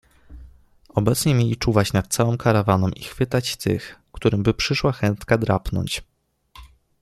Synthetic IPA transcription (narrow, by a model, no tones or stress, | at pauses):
ɔbɛt̪sɲɛmʲjelʲit͡ʂuvat͡ɕnat̪̚t̪sawɔ̃mkaɾavanɔmʔixfɘt̪at͡ɕt̪ɘ̰xkt̪uɾɘmbɘpʂɘʂwaxɛnt̪kad̪ɾapnɔ̰ɲt͡ɕ